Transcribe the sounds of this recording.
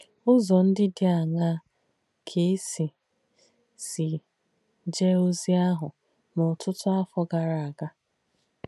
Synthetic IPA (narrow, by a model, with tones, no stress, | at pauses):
ʊ˦zɔ˨n̩˦dɪ˦dɪ˦a˨ŋa˦ | kʰe˦si˨ | si˨ | d͡ʒe˦o˦zi˦a˦ɦʊ˨ | mʊ˨tʰʊ˦tʊ˦a˦fɔ˦ɡa˨ɾa˨a˨ɡa˦